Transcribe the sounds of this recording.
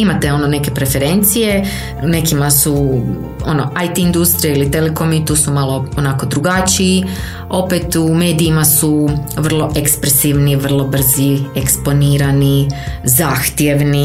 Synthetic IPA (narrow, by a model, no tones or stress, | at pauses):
imat̪eo̞none̞ke̞pɾe̞fe̞ɾe̞nt̪sije̞ | ne̞kimasu | o̞no̞ajt̪iind̪ust̪ɾijeilit̪eleko̞mit̪uːsumalˠo̞onaːko̞d̪ɾuɡat͡ʃii | o̞pet̪ume̞ːd̪iimasuʋr̩lˠo̞ʔekspɾesiʋniʋr̩lˠo̞br̩zie̞kspo̞niːɾanizaːxt̪je̞ʋni